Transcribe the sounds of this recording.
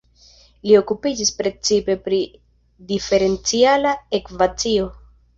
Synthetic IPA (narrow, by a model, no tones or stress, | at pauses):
lio̞kupid͡ʒispɾe̞t͡sipe̞pɾi | dife̞ɾe̞nt͡sialaekvat͡sio̞